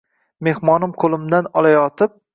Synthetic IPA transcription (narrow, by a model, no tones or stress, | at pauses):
me̞hmɒnɪmqʰolˠɪmd̪anɒlˠajɒt̪ʰɪp̚